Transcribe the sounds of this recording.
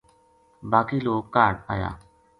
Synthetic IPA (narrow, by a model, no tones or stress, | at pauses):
baːkiːloːkːaːɾɖa̰ːja̰ː